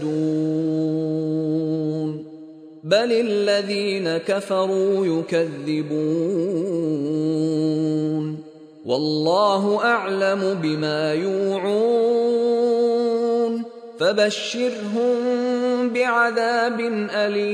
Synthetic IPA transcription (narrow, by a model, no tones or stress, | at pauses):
uː | n | balɪlːaðiːnakafɑɾˤuːjʊkaðːɪbuː | n | wɑlːɑːɦʊʔaʕlamʊbɪmaːjuːʕuː | n | fabaʃːɪɾɦʊmbɪʕaðaːbɪnʔali